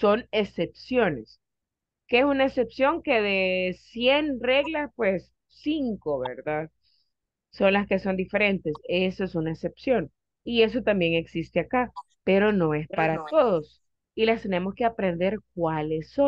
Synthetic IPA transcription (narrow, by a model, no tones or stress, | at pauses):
so̞ne̞sepsjo̞ne̞s | keesunae̞se̞psjo̞ŋke̞ðe̞sje̞nre̞ɣlaspwe̞sː | iŋko̞βe̞̰ɾðað | so̞nlaske̞so̞nd̪ife̞ɾe̞nt̪e̞sesoesunaese̞psjo̞ŋ | ie̞s̬o̞t̪ambje̞ŋe̞ksist̪e̞aka | pe̞ɾo̞no̞e̞spaɾat̪o̞ðo̞s | ilast̪e̞ne̞mo̞ske̞apɾe̞nd̪e̞ɾk̚wale̞sːo